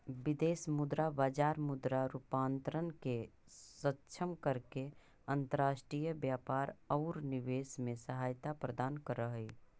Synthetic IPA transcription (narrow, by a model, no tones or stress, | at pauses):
bɪd̪eːsmʊd̪ɾabaːd͡ʒaːɾmʊd̪ɾaɾupaːnt̪ɾənke | sətːʃʰəmkəɾke | ə̃nt̪əɾaːʃʈɾijəbjaːpaːɾɔːɾnɪʋeːsmẽsəɦaːjt̪apɾəd̪aːnkəɾəɦi